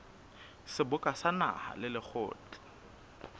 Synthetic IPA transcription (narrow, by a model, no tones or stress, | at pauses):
sɪbʊkʼasana̰ha̰lɪlɪk͡xʰʊ̰ːt͡ɬɪ̥